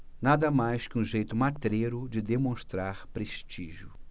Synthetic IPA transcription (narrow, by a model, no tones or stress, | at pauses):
nad̪ɐmajskɪũʒejt̪ʊmat̪ɾeɾʊd͡ʒɪd̪emõst̪ɾaɾpɾeʃt͡ʃiʒʊ